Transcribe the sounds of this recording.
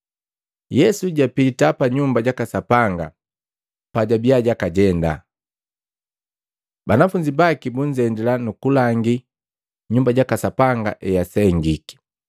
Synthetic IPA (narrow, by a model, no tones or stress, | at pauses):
jɛsuɟapitapaɲumbaɟakasapaŋɡa̰ | paɟabiaɟakaɟɛnda̰ | banafuɲd͡ʒibakibuɲd͡ʒɛndɛlanukulaŋɡi | ɲumbaɟakasapaŋɡa̰ʔɛjasɛŋɡiki̥